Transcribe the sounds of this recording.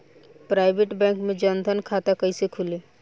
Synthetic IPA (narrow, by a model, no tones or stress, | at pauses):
pɾaːɪbeʈbɛ̃ːŋkmẽd͡ʒənd̪ʱənkʰat̪akəisekʰʊleː